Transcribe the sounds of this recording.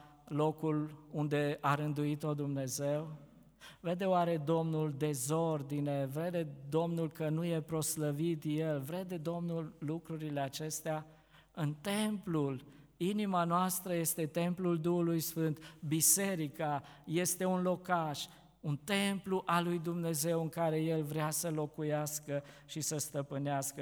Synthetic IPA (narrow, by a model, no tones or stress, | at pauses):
lo̞kulund̪e̞aɾɨnd̪uit̪o̞d̪umne̞ze̞w | ve̞d̪e̞oaɾe̞d̪o̞mnuld̪e̞zo̞rd̪ine̞vɾe̞d̪e̞d̪o̞mnulkənuje̞pɾo̞sləvit̪je̞lvɾe̞d̪e̞d̪o̞mnulːukɾuɾile̞at͡ʃe̞st̪ea | ɨnt̪e̞mplul | inimanoast̪ɾəje̞st̪e̞t̪e̞mpluld̪uhulujsfɨnt̪bise̞ɾika | je̞st̪e̞unlo̞kaʃ | unt̪e̞mpluʔalujd̪umne̞ze̞wɨŋkaɾe̞je̞lvɾeasəlo̞kujaskəʃisəst̪əpɨneaskə